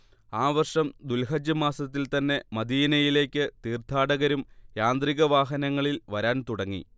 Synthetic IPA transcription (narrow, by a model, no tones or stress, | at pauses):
aːʋɐrʂɐmd̪ulɦɐd͡ʑɐmaːsɐt̪ːilt̪ɐnːe̞mɐd̪iːnɐjile̞ːkʲːɨt̪iːrt̪ʰaːɽɐɣɐɾumjaːnd̪riɣɐʋaːɦɐnɐŋːɐɭilʋɐɾaːnt̪uɽɐŋːḭ